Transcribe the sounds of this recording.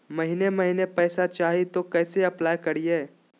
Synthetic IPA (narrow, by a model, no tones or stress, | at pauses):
mɐɦinemɐɦinepɛːsat͡ʃaːɦit̪okɛːseɐplaːjkɐɾiɦɛː